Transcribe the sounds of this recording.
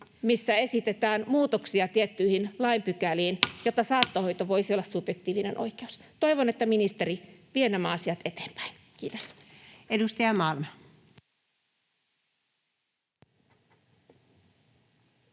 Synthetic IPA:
misːæe̞sit̪et̪æːnmuːt̪oksiɑt̪iet̪ːyihinlɑimpykæliːnjot̪ːɑsɑːt̪ːoho̞jt̪oʋo̞isio̞lːɑssub̥jek̚t̪iːʋinenʔo̞̰jkeust̪o̞iʋonet̪ːæminist̪eɾiʋienæmæɑsiɑt̪e̞t̪e̥ːmpæ̥in | kiːt̪osedust̪ɑjɑmɑlmɑ

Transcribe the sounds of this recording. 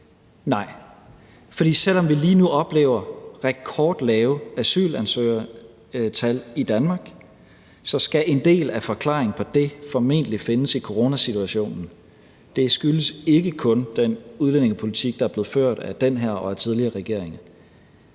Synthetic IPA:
nɑ̈ɪ̰ | fɒ̽d̥ḭːsel̰ɒ̽mʋiliːnuʔɒ̽b̥le̝̰ːʊ̰ɐʁɛɡ̥̚kʰɒːd̥lɛːʊæsy̰ːlænsø̰ːɐ | t͡sʰælid̥ænmɑ̈ːɡ̥ | sɒ̽sɡ̥æʔe̝nd̥e̝̰ːlæfɒ̽kʰlɑ̰̈ːeŋn̩pʰɒ̽d̥e̝fɒ̽me̝̰nd̥əlife̝nəsikʰo̝ʁo̝ːnæsit͡sʰuæɕo̝̰ːnn̩ | d̥e̝sɡ̥yləse̝ɡ̥əkʰɔ̽nd̥enuðˠlen̰e̝ŋəpʰo̝lit͡sʰiɡ̥̚d̥ɑæɐb̥le̝ð̩ˠføɐ̰d̥æd̥enɦæɐ̰ɒ̽æt͡sʰið̞ˠliɐːʁɛɡ̥e̝ɐ̰eŋɐ

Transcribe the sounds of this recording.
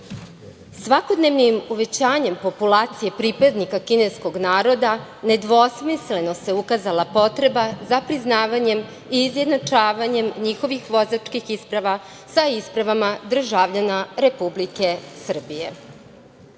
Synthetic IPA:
sʋako̞d̪neʋnimuʋe̞t͡ɕaːɲe̞mpo̞pulaːt̪sije̞pɾipad̪nikakinesko̞ɡnaːɾo̞d̪ane̞d̪ʋosmisle̞no̞se̞ukazalˠapo̞t̪ɾe̞bazapɾiznaːʋaɲe̞m | iːzje̞d̪nat͡ʃaːʋaɲe̞mɲixo̞ʋixʋo̞zat͡ʂkixispɾaʋa | saispɾaʋamad̪r̩ʒaʋʎanaɾe̞publike̞sr̩bije̞̰

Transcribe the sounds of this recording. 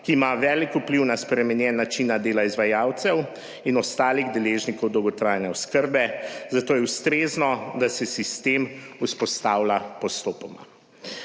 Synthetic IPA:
kiːmaʋɛːlikupliwnaspɾɛmɛnjɛnat͡ʃinad̪eːlaizʋajaːwt̪sɛw | inɔst̪aːliɣd̪ɛleːʒnikɔwd̪ɔwɡɔt̪ɾaːjnɛɔskəɾbɛzat̪oːjɛwst̪ɾeːznɔd̪asɛsist̪eːmuspɔst̪aːwlapɔst̪oːpɔma̰

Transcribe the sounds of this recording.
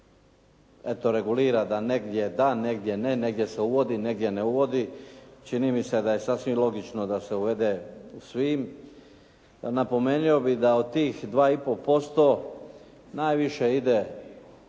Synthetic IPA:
et̪o̞ɾe̞ɡuliːɾad̪ane̞ɡd̪je̞d̪ane̞ɡd̪je̞ne̞ne̞ɡd̪je̞seuʋo̞d̪ine̞ɡd̪ʲje̞neuʋo̞d̪it͡ʃiniːmise̞d̪aje̞sasʋimlˠo̞ɡit͡ʃno̞d̪ase̞uʋe̞d̪eusʋiːm | napo̞me̞ːnio̞bid̪ao̞d̪̚t̪iːxd̪ʋaːipo̞po̞st̪o̞ | najʋiʃeid̪e̞

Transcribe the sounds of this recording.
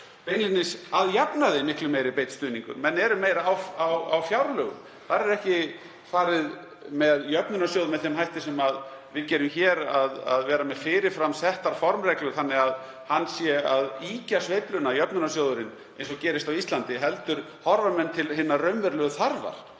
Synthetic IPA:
penlinɪsaðjɛpnaðɪmɪhklʏmejɾɪpejt̪st̪ʏːniŋkʏ̰ɾmɛnːɛɾʏmejɾwawa̰wfjawɾlœːɣʏ̰m | θaɾɛɾɛhcɪ | faːɾɪð | mɛðjœpnʏnasjoːwðʏmɛðθɛmɦajht̪ɪsɛmaðvɪðcɛːɾʏmçɛːɾaða̰ðvɛːɾamɛðfɪːɾɪɾfɾamsɛht̪aɾ̥fɔɾmrɛklʏɣθanːɪað | hanːsjɛaðiːcasvejplʏnajœpnʏnasjoːwðʏɾɪn | ḛjnsɔcɛːɾɪst̪awist̪lant̪ɪɦɛlt̪ʏɾ̥ | hɔɾvamɛnt̪ʰɪlhɪnːarœɥmvɛɾlœɣʏθaɾva̰ɾ̥

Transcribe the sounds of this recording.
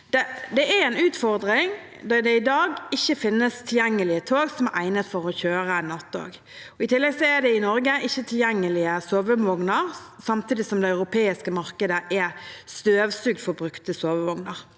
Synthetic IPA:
d̪̥ɛd̪ɛæɾɛnʉːt̪fɔɾd̪ɾɪŋ | d̪ɑd̪ɛɪd̪ɑːɡɪçːəfɪnːəst̪ʰɪljɛŋːəlɪət̪ʰoːɡsɔmæʔæɪnət̪fɔɾɔçøːɾənɑt̪ːo̰ːɡ | ɔɪt̪ʰɪlːɛɡsɔæd̪ɛɪnɔɾɡəʔɪçːət̪ʰɪljɛŋːəlɪəsoːʋəʋɔŋnəɾsɑmt̪ʰiːd̪ɪsɔmd̪ɛɑʉɾʊpʰeːɪskəmɑɾkəd̪əʔæɾst̪øːʋsʉːɡ̚d̪fɔɾbɾʉkt̪əsoːʋəʋɔŋnəɾ

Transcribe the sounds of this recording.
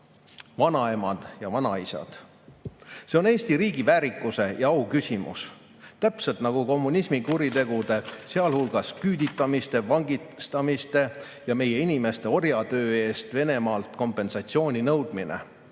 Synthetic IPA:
vɑnɑe̞mɑd̪̥jɑvɑnɑisɑ̰d̪̥ | se̞o̞ne̞ːsʲt̪iɾiːɡivæːɾikˑːuse̞jɑɑwkysʲimṵs | t̪æpse̞lt̪nɑɡ̥uko̞mːunʲismikuɾit̪e̞ɡ̥ud̪e̞se̞ɑlhulɡ̥ɑskyːd̪it̪ːˑɑmist̪e̞vɑŋɡist̪ɑmist̪e̞ | jɑme̞je̞inʲime̞st̪e̞o̞rjɑt̪ø̞ːe̞ːst̪ve̞ne̞mɑːlt̪ko̞mpːˑe̞nsɑt̪sio̞ːnʲinɤwd̪̥minḛ

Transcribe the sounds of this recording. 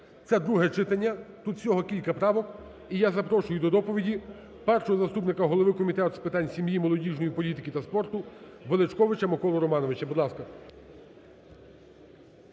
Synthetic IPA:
t̪sɛd̪ɾuɦɛt͡ʃɪt̪ɐnʲːɐt̪ut̪sʲɔɦɔkʲilʲkɐpɾɑʋɔk | ijazɐpɾɔʃʊjʊd̪ɔd̪ɔpɔʋʲidʲi | pɛrʃɔɦɔzɐst̪upnɪkɐɦɔlˠɔʋɪkɔmʲit̪ɛt̪ʊspɪt̪ɑnʲsʲimjimɔlˠɔdʲiʒnɔjipɔlʲit̪ɪkʲit̪ɐspɔrt̪ʊʋelˠet͡ʃkɔʋɪt͡ʃɐmɔkɔlˠɔɾɔmɑnɔʋɪt͡ʃɐbud̪lˠɑskɐ

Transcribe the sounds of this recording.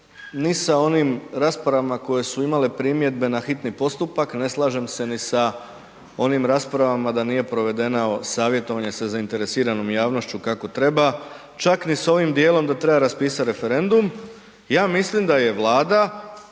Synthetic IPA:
nisao̞nimɾaːspɾaʋamako̞je̞suimale̞pɾiːmje̞d̪be̞naxit̪nipo̞st̪upakne̞slˠaːʒe̞mse̞nisa | o̞nimɾaːspɾaʋamad̪aniːje̞pɾo̞ʋe̞d̪e̞nao̞saːʋje̞t̪o̞ʋaɲe̞sezaint̪e̞ɾesiːɾano̞ːmjaːʋno̞ʃt͡ɕukako̞t̪ɾe̞ba | t͡ʃakniso̞ʋimd̪je̞ːlo̞md̪at̪ɾe̞baɾaspiːsat̪ɾe̞fe̞ɾe̞nd̪um | jaːmislimd̪aje̞ʋlˠaːd̪a

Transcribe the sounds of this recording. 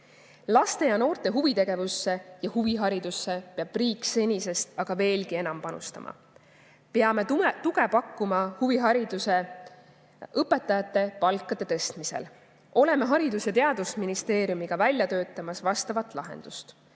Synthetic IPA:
lɑst̪e̞jɑno̞ːrt̪e̞ɦuvit̪e̞ɡe̞vusːe̞jɑhuviɦɑɾid̪̥usːe̞peɑb̥riːkːˑse̞nʲise̞st̪ɑɡ̥ɑve̞ːlɡie̞nɑmpɑnṵst̪ɑ̰mʔɑ̰ | peɑme̞t̪uɡe̞pɑkːumɑhuviɦɑɾid̪̥use̞ | ʔɤpːe̞t̪ːˑɑjɑt̪ˑːe̞pɑlkːˑɑd̪̥e̞t̪e̞st̪mise̞̰l | o̞le̞meɦɑɾid̪use̞t̪e̞ɑd̪̥usminist̪e̞ːɾjumiɡ̥ɑvælʲjɑt̪ø̞ːt̪ːˑɑmɑsvɑst̪ɑvɑt̪ˑlɑɦḛnd̪̥ust̪

